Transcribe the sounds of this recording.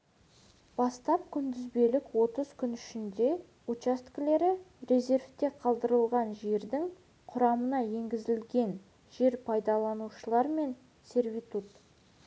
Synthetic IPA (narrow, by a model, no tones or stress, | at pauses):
b̥ɑst̪ɑp̚kʲʰʏnd̪ɪzbe̞lɪkwo̞t̪əz̥kʲʰʏnʏʃɪnd̪e̞ | ut͡ʃast̪kʲle̞ɾɪɾe̞ze̞ɾft̪e̞qʰɑlˠd̪əɾəlˠʁɑnʒe̞ɾd̪ɪŋ | qʰʊɾɑmənɑje̞ŋɡʲɪzɪlɡʲe̞n | ʒe̞ɾpʰɑjd̪ɑlˠɑnuʃəlˠɑɾme̞n | se̞ɾvʲit̪ut̪